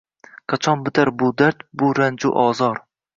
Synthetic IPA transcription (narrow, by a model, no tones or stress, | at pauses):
qʰɑt͡ʃʰɒnbɪt̪ʰaɾbʊd̪aɾt̪bʊɾand͡ʒʊʔɒzɒɾ